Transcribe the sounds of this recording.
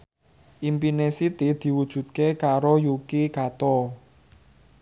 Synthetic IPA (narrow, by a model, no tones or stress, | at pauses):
ʔimpinesit̪id̪̥i̤wud̥ʒ̥ṳt̪̚kekaɾojukikat̪ɔ